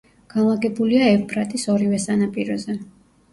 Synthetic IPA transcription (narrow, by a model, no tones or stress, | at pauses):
ɡ̥anlˠaɡɛbuliaɛvbʼɾat̪ʼisɔɾivɛsanapʼiɾɔzɛ